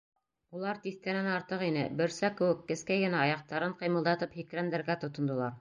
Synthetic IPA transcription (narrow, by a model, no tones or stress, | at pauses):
ulˠɑɾt̪iθkænænɑɾt̪ɤqinɘ̰bɘ̆ɾsækɘ̆wɘkːɘ̆skæjɡɘ̆næɑjɑq̚t̪ɑɾɤɴqɤ̆jmɤ̆lˠd̪ɑt̪ɤphikɾænd̪æ̆ɾɡæt̪ŏt̪ŏnd̪ɤ̆lˠɑɾ